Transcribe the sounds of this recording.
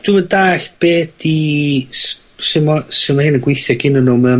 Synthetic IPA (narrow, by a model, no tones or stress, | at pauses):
d̥umədaːɬb̥eːd̥is | sɪmɔsɪmahɪnəɡwɪjθjɔɡɪnənʊmɛ